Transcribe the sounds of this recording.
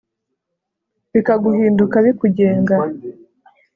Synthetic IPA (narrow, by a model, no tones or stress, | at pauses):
βikaɡuhiːndukaβikuɟeːŋɡa